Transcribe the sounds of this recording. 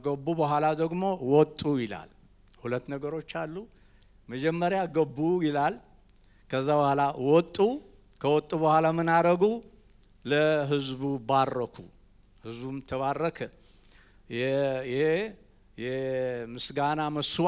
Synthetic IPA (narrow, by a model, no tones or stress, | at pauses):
ɡəbːubəɦʷalad̪əɡmo̞wɔt̪ʼːujɪla̰l | hulət̪ːnəɡəɾo̞t͡ʃːalːu | məd͡ʒɛmːəɾjaɡəbːujɪlal | kʰəzːabəhʷalawɔt̪ʼːu | kʰəwɔt̪ʼːuβəhʷalamɨnaɾəɡu | ləɦɨzbubarːəkʰṵ | hɨzbumɨt̪ʰːəβarːəkʰə | ɛjɛhe | jɛmɨsɡanaməsw